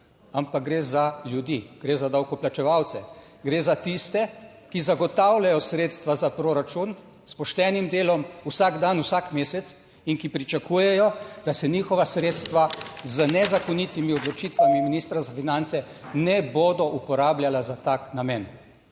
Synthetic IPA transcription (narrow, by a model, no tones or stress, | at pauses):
ampak̚ɡɾeːzaljud̪iɡ̥ɾezad̪awkɔplat͡ʃɛʋawt̪sɛ | ɡɾeːzat̪ist̪ɛ | kizaɡɔt̪awlʲajɔsɾeːt̪st̪ʋazapɾoɾat͡ʃun | spɔʃt̪ɛːnimd̪eːlɔmusaɡd̪anusakmeːsɛt̪s | iŋkipɾit͡ʃakuːjɛjɔd̪̥asɛniːxɔʋasɾeːt̪st̪ʋazənɛzakɔnit̪imiɔd̪lɔt͡ʃit̪ʋamiminiːst̪ɾazafinant̪sɛ | nɛboːd̪ɔʔupɔɾaːbljalazat̪aknamɛn